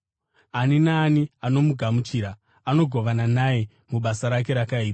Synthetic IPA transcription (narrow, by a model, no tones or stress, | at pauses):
aninaːniano̞muɡʱamut͡ʃiːɾa | ano̞ɡʱo̞ʋananaje̞ | muɓasaɾak̬e̞ɾakaiːta